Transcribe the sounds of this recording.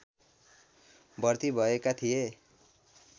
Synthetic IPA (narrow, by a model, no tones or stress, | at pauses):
bʌrt̪ibʱʌekat̪ʰije